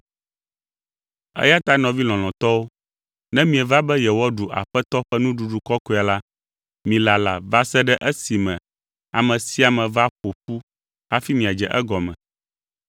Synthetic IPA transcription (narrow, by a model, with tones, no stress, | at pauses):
ɛ̰˦ja˦t̪a˦nɔ̃˨vi˦lɔ̃˨l̃ɔ̃˨t̪ɔ˦wo˦ | nɛ̃˦mĩ˨ɛ˨va˦bɛ˦jɛ˨wɔ˦ɖu˨ʔa̰˨ɸɛ˦t̪ɔ˦ɸɛ˦nũ˦ɖu˨ɖu˨kɔ˦ko˦˨a˨la˦ | mĩ˨la˨la̰˨va˦sɛ˦ɖɛ˦ʔɛ˦si˨mɛ̃˨ | a̰˨mɛ̃˨si˦a˨mɛ̃˨va˦ɸo˨ɸu˦ | a˦fi˦mĩ˨a˨d͡ʒɛ˨ʔɛ˦ɡɔ˨mɛ̰̃˨